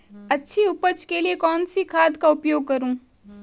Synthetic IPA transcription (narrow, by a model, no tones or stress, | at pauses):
ɐtːʃʰiʊpət͡ʃkeliekɔːnsikʰaːd̪kaʊpjoːɡ̚kɐɾũː